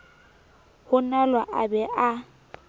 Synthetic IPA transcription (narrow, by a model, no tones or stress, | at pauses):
hʊnalwaʔa̰bɛʔa